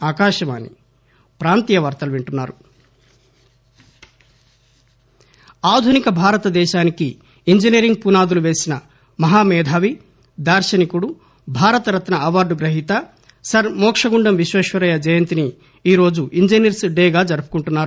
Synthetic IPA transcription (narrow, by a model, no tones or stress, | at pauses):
aːkaːʃɐma̰ːnḭ | pɾaːnt̪ijɐʋɐɾt̪ɐluʋiɳʈunːaːɾu | aːd̪ʱunikɐbʱaːɾɐt̪ɐd̪ɛːʃaːniki | iɲd͡ʒiniɾiŋɡ̚punaːd̪uluʋe̞ːsinɐ | mɐɦaːmɛːd̪ʱaːʋi | d̪aːɾʃɐnikuɽu | bʱaːɾɐt̪ɐɾɐt̪nɐɐʋaːɾɖuɡɾɐɦit̪ɐ | sɐɾmɔːkʂɐɡuɳɖɐmʋiʃʋeːʃʋɐɾɐjɐd͡ʒɐjɐnt̪ini | iːɾo̞ːd͡ʒuʔiɲd͡ʒɐniɾsɖeːɡaːd͡ʒɐɾupu̥kuɳʈunːaːɾu